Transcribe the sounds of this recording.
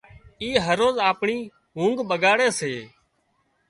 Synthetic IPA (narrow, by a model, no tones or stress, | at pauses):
iːɦəɾoːzaːpɳiː | ɦũːŋɡɓəɠaːɽeːseː